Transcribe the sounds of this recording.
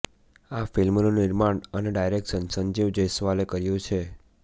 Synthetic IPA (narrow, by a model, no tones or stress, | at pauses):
afilmnonɪɾmaɳəneɖajɾek̚ʈsənsənd͡ʒiʋd͡ʒəjsʋalekəɾjũt͡ʃʰe